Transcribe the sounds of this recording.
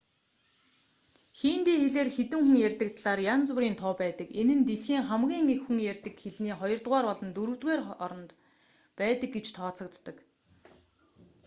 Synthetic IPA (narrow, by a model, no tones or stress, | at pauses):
xiːnt̪eːxeɮeːrxet̪ɘ̆ŋxuŋjærʲt̪ə̆k̚t̪ʰɮaːrjant͡swʊ̆ɾiːnt̪ʰʊːpæːt̪ə̆kenɘ̆nt̪eɮxiːŋχæmɣʲiːŋekxuŋjærʲt̪ɘ̆kxeɮniːχɔjɞ̆rt̪ʁaːrpɔɮɞ̆nt̪ɵɾɵ̆wt̪ɣeːrɔɾɞ̆nt̪ | pæːt̪ə̆k̚ɡet͡ɕt̪ʰɔːt͡sɞ̆kt̪ːə̆k